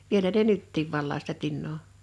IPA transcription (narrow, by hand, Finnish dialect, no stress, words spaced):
ʋielæ ne nytːiːʋ ʋɑlːɑː sitæ tinːoː